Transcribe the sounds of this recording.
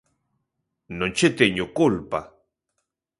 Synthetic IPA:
nont͡ʃet̪eɲʊkʊlpa̰

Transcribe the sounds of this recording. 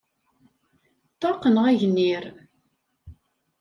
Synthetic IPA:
t̪ˤːɑqənʁæʝnːiɾ

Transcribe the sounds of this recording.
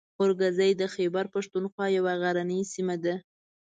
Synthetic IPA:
xʊɾɡazajd̪əxebaɾpaʂt̪unxwɑjawaɣaɾanisimad̪a

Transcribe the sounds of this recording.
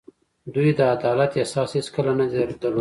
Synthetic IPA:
d̪ujd̪əad̪ɑlat̪esɑsiskəlanad̪ɾd̪əɾlo

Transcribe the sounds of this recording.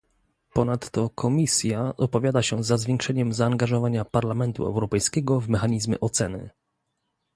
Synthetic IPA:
pɔnat̪ːɔkʰɔmʲisʲjaʔɔpɔvʲjad̪aɕɛzazvʲjɛ̃ŋkʂɛɲɛmzaːŋɡaʐɔvaɲapaɾlamɛnt̪ṵɛ̰wɾɔpɛjskʲɛɡɔvmɛxaɲizmjɛ̰ʔɔt̪sɛnɘ̰

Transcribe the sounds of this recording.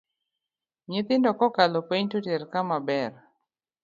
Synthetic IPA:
ɲɪt̪ɪndɔkɔkalɔpeɲtoteɾkamabɛr

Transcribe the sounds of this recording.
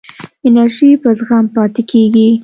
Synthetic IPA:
ɪnaɾʒipəzɣampɑt̪ɪkʰeɡi

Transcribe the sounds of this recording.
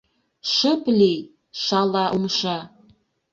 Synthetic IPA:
ʃəplej | ʃɑlɑʔumʃɑ

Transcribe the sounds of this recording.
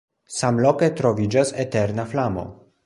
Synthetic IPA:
samloketɾo̞vid͡ʒaseteɾnaflamo̞̰

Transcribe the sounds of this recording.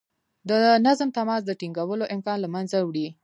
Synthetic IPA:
d̪ənazmt̪amɑs̬d̪əʈiŋɡawəloʔɪmkɑnlamanzawɽi

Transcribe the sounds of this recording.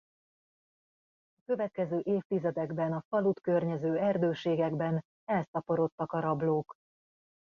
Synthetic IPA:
ɒkø̞vɛt̪̚kɛzøːʔeːft̪izɛd̪ɛɡbɛnɒfɒlut̪kørɲɛzøːɛrd̪øːʃeːɡɛɡbɛn | ɛlsɒpo̞ɾo̞t̪ːɒkɒɾɒbloːk

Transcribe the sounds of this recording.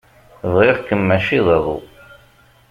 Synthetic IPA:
vʁiʁkəmːæʃiðˤɑðˤṵ

